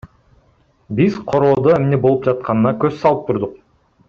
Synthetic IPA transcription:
bizqʰo̞ɾo̞ːd̪oemne̞bo̞lˠup̚d͡ʒɑt̪̚qʰɑnɯnɑkøssɑlˠɯp̚t̪ʰuɾd̪uq̚

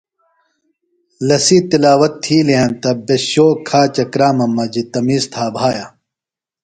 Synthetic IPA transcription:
lɐsit̪ilaːwɐt̪ʰːiːleɦɐnt̪ɐbeɕoːkʰaːt͡ɕɐkɾaːmɐmːɐd͡ʑit̪ɐmiːst̪ʰaːbʱaːja

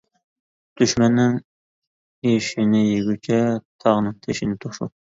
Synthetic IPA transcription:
d̪̥yʃmɛnːɪŋ | eʃinɪjeɡʲyt͡ʃʰɛt̪ʰɑʁnɨŋt̪ʰeʃinɪt̪ʰoχʃṵ

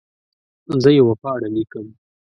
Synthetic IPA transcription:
zəjewapɑːɽalikəm

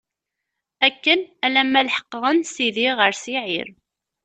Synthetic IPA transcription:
ækːənælæmːælħə̥qːʁˤənsiðiʁəɾsiʕḭɾ

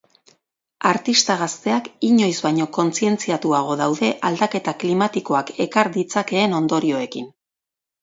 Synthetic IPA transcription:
aɾt̪ist̪aɣ̞ast̪e̞akiɲo̞jzβajɲo̞ko̞nt͡sie̞nt͡siat̪uaɣ̞o̞ðawðe̞ʔald̪ake̞t̪aklimat̪iko̞ake̞kaɾðit͡sake̞ːno̞nd̪o̞ɾio̞e̞kin

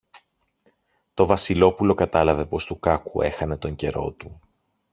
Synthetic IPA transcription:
t̪o̞vɐsilo̞pulo̞kɐt̪ɐlɐve̞po̞st̪ukɐkue̞̰xɐne̞t̪o̞ɲɟe̞ɾo̞̰t̪u

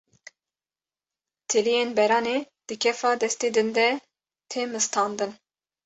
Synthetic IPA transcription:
t̪ʰɨlijeːnbɛɾɑːneː | d̪̥ɨkʰɛfɑːd̪ɛst̪eːd̪ɨnd̪ɛ | t̪ʰeːmɨst̪ʰɑːnd̪ɨn

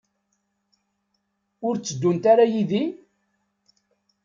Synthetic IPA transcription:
ʊɾt͡sːəd̪ːunt̪aɾajiði

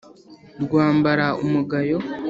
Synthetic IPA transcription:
ɾɡwaːmbaɾaumuɡajo̞

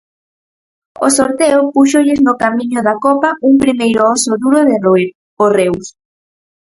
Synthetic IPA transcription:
o̰soɾt̪eopuʃoʎɪznokamĩɲʊðakɔpɐuŋpɾimejɾoɔsoðuɾʊðɪ | orews

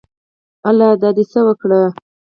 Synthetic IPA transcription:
alɑd̪ɑd̪esəwəkɽə

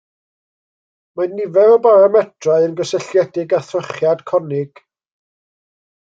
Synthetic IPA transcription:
manːɪvɛvɔbaɾamɛtʰraɨənɡəsəɬjɛdɪɡaθəχjad̥kʰɔnɪɡ̥

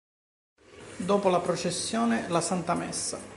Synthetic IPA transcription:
d̪oːpolapɾot͡ʃesːjoːnelasant̪amɛsːa̰

